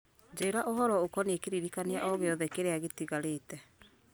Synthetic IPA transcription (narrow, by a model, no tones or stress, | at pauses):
d͡ʒeeɾaʔoɦɔɾɔokɔnekeɾiɾikaneaʔɔɣeɔðɛkeɾeaɣetiɣaɾetɛ